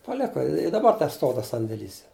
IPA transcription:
pɐˈlʲæːkɐ ɪ dɐˈbɐr tʲɛˈstoːw tɐs sɐnʲdʲeːˈlʲiːs

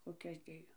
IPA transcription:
koːˈkʲɛs ˈdʲeːjoː

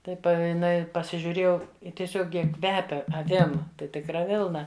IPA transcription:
ˈtɐɪ pɐ jɪˈnɐɪ pɐsʲɪʒʲʊˈrʲeːjɛʊ ɪ tʲiɛˈsʲoːk ˈjiɛ ˈkʋʲæːpʲɛ ɐˈʋʲɪm tɐɪ tʲɪkˈrɐ ˈʋʲɪlˠnɐ

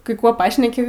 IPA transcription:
kɐɪ ˈkuɔ ˈpɑːʃʲnʲɛkʲɪ

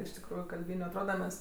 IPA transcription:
ɪʃ tʲɪkˈruːjʊ kɐlʲˈbʲiːnʲʊ ɐtˈroːdɐ ˈmʲɛs

